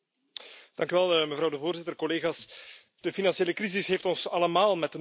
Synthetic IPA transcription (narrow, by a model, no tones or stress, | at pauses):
d̥ɑŋkyʋɛlˠəməvɾɑwdəvoːrzɪtərkɔleːɣaːs | d̥əfinɑnsieːləkrizɪsɦeːftɔnsɑləmaːlˠmɛtən